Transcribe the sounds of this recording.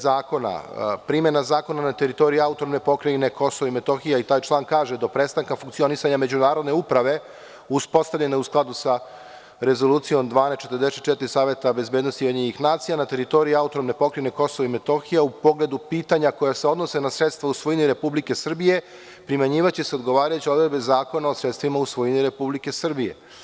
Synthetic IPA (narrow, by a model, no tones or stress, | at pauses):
zaːko̞na̰pɾime̞nazaːko̞nanat̪e̞ɾit̪o̞ɾijuaut̪oɾomne̞po̞kɾane̞kʰo̞so̞ʋaime̞t̪o̞xijait̪aːjt͡ʃlˠaːŋkaːʒed̪o̞pɾeːst̪aŋkafuŋkt̪sio̞nisaɲame̞d͡ʑunaːɾod̪ne̞upɾaʋe̞ | uspo̞st̪avʎʲe̞neusklˠad̪usa | ɾe̞zo̞luːt̪sijo̞md̪ʋaːnest̪t͡ʃe̞t̪rɾd̪eset̪̚t͡ʃet̪iɾisaːʋe̞t̪abe̞zbeːd̪no̞st̪iaɲeɲixnaːt̪sijanat̪e̞ɾit̪o̞ɾiiaut̪oɾomne̞po̞kɾene̞ko̞soʋaimet̪o̞xijaupo̞ɡle̞d̪upiːt̪aɲako̞jaseo̞d̪no̞se̞nasɾet̪st̪ʋausʋojiniɾe̞publike̞sr̩bije̞ | pɾimaɲiːʋat͡ɕiseo̞d̪ɡo̞ʋaːɾajut͡ɕio̞d̪ɾed̪be̞zaːko̞nao̞sɾet̪st̪ʋimausʋojiniɾe̞publike̞sr̩bije̞̰